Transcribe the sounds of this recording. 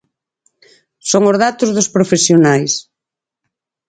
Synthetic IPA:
soŋʊzðat̪ʊzðʊspɾofesjonajs

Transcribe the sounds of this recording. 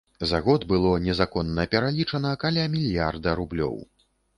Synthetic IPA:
zaɣɔd̪bɨlˠɔnʲɛzakɔnːɐpʲɛɾalʲit͡ʂɐnɐkalʲamʲilʲjard̪ɐɾublʲɔ̰w

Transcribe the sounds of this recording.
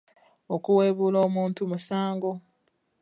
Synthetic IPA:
okuweːβuːlo̞ːmuːntumusaːŋɡo

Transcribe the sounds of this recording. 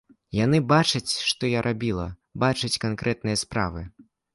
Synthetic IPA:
janɨbat͡ʂɐt͡sʲʂt̪ɔjaɾʔabʲilˠɐ̰ | bat͡ʂɐt͡sʲkankɾʔɛt̪̚nɨjɐspɾa̰vɨ

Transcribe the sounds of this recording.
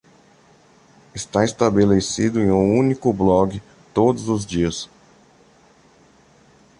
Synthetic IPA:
ɪst̪aest̪abelesid̪ʊẽj̃ũũnikʊblɔɡɪ | t̪od̪ʊzʊzd͡ʒiɐs

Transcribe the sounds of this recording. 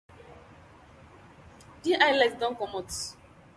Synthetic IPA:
diʔajlɛkdɔ̃nkɔmɔt

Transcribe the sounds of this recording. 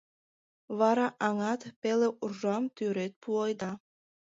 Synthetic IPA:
βɑɾɑʔɑŋɑt̪peleʔurʒɑmt̪yɾet̪̚puɑjd̪ɑ

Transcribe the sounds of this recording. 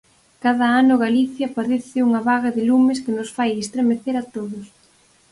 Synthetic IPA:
kaðɐanʊɣaliθjɐpaðeθɪuŋɐβaɣɐðɪlumɪskɪnʊsfajest̪ɾemeθeɾat̪oðʊs

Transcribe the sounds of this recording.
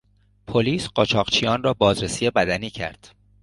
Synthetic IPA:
pʰoliːsɢɒːt͡ʃʰɒːʁt͡ʃʰijɒːnrɒːbɒːzɾesiːjebæd̪æniːcʰæ̰ɾd̪̥

